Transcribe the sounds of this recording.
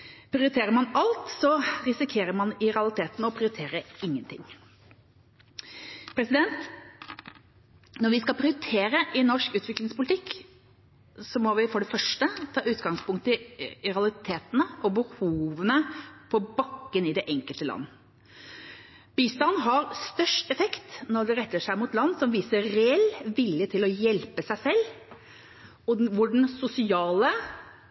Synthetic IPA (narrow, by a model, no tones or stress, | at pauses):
pʰɾɪʊɾɪt̪ʰeːɾəɾmɑnɑlt̪sɔɾɪsɪkʰeːɾəɾmɑnɪɾɑlɪt̪ʰeːt̪nɔpʰɾɪʊɾɪt̪ʰeːɾəɪŋːənt̪ʰɪ̰ŋː | pʰɾɛsɪd̪ɛnt̪ | nɔɾʋɪskɑpʰɾɪʊɾt̪ʰeːɾəʔɪnɔʂkʉːt̪ʋɪklɪŋspʊlt̪ɪk | sɔmɔʋɪfɔɖɛfœʂʈət̪ʰɑːʉːt̪ɡɑŋspʊŋkt̪əɪɾɑlɪt̪ʰeːt̪ənəɔbəhuːʋənəpʰɔbɑkːənɪd̪ɛʔɛŋkəlt̪əlɑ̰nːə | b̥iːst̪ɑnɦɑɾst̪œʂʈɛfɛkt̪nɔɾɖ̪ɛɾɛt̪ːəʂæɪmʊt̪lɑnːsɔmʋiːsəɾɾɛɛlːʋɪljət̪ʰɪlɔjɛlpəsæɪsɛlː | ɔʋʊɖɳ̩sʊsɪɑːlə